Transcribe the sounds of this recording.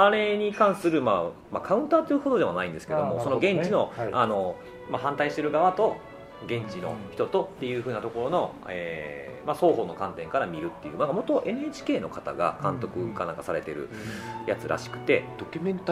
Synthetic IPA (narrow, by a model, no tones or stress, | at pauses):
aɾe̞ɲ̟ikãɰ̃sɨɾɯ̟ma | makʰaɯ̟̃nt̪aːt̪ːojiɯ̟hot̪od̪eβanaĩnd̪esɨ̥ke̞d̪o̞mosonoɡẽ̞ɲt͡ɕino̞ano̞ | maɦãnt̪aiɕi̥t̪e̞ɾɯ̟ɡaβat̪o̞ | ɡẽ̞ɲ̟t͡ɕino̞̰çi̥t̪o̞t̪o̞t̪ːe̞jɯ̟ːɸɯ̟ːnat̪o̞ko̞ɾo̞no̞ | ḛmaso̞ːɦo̞ːno̞kãnt̪ẽ̞ŋkaɾamʲiɾɯ̟t̪ːe̞jɯ̟ːnãŋkamo̞t̪o̞ʔe̞nɯet͡ɕi̥ke̞ːno̞kat̪a̰ɡa̰kãnt̪o̞kɯ̟kanãŋkasaɾe̞t̪e̞ɾɯ̟̰jʔat͡sɨɾʔa̰ɕi̥kɯ̟̥t̪e̞d̥̪okʲmẽnt̪